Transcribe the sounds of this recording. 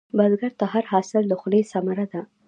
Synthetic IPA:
bazɡaɾt̪aɦaɾhɑsɪlləxlesamaɾad̪a

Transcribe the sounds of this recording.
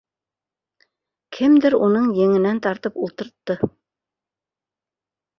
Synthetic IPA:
kʰɘmd̪ɘɾunɤɴjɘ̆ŋɘ̆nænt̪ɑɾt̪ɤpulˠt̪ɤ̆ɾt̪ːɤ

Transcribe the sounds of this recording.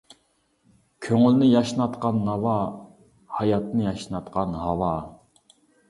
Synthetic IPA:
kʲʰøŋylnɪjɑʃnɑt̪qɑnːɑwɑ | hɑjɑt̪nɨjɑʃnɑt̪qɑnhɑwɑ

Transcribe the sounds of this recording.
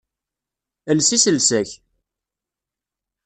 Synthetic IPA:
əlsisəlsæç

